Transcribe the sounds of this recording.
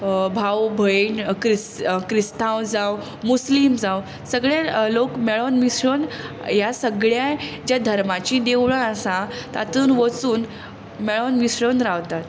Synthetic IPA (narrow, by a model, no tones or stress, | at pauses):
bʱawbʱəeɳkɾiskɾist̪ʰãwd͡zaw | muslimd͡zaw | səɡɭalokmɛɭɔnmisɾən | jasəɡɭjad͡ʑjad̪ʱəɾmat͡ɕid̪ewɭəəsãt̪a̰t̪uːnʋət͡suːn | meɭɔnmisɾənɾawt̪at̪